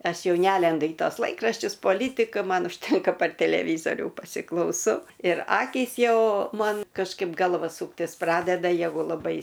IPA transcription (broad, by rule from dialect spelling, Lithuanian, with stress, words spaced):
ˈɐʃ ˈjɛʊ ˈnʲælʲɛndʊ iː toːs ˈlˠɐɪkrɐʃʲt͡ʃʲʊs poːˈlʲiːtʲɪkɐ ˈmɐn ʊʃʲˈtʲɛŋkɐ pɐr tʲɛlʲɛˈʋʲiːzoːrʲuː pɐsʲɪklˠɐʊˈsɐʊ ɪr ˈɑːkʲiːs ˈjɛʊ ˈmɐn kɐʃˈkɐɪp ˈɡɐlˠʋɐ ˈsuːktʲɪs ˈprɑːdʲɛdɐ ˈjæːɡʊ lˠɐˈbɐɪ